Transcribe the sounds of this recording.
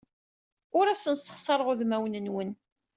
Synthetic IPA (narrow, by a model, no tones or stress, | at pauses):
ʊɾæsənsə̥χsˤɑɾˤʁoðmæwnənwən